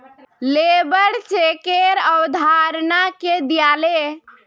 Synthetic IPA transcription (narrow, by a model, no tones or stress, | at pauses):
lebəɽt͡ʃekeɾəwd̪ʱaɾnaked̪ijale